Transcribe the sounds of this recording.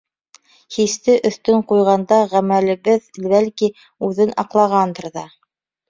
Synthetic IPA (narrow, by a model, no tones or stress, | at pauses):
hist̪ɘʔɵ̆θt̪ɵɴqujʁɑnd̪ɑʁæmælɘ̆βɘðlβælki | ʉðɘnɑ̰qlˠɑʁɑnd̪ɤ̆ɾðɑ